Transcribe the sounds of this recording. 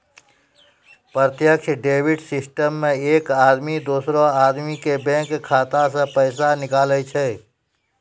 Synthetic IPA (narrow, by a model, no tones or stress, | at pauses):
pɾət̪jəkʃʰɖeːwɪɖsɪsʈəmːẽeːkaːd̪mid̪oːsɾõaːd̪mikebɛ̃kkʰːaːt̪asə̃pəɪsanɪkaːlət͡ʃʰɛ